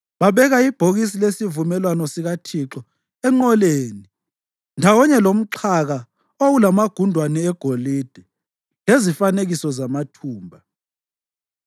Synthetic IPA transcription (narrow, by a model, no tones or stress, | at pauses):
βaβɛɣaib̥ʱoɣis̬ilesivumɛlwanɔsiɣatʰiǁɔ | ɛŋ͡ǃɔleːni | ndʱawɔɲɛlom̩ǃʰaɣa | oɣulamaɡ̥ʱundʱwanɛːɡ̥ʱolid̥ʱɛ | lezifaneɣisɔzamatʰuːmbʱa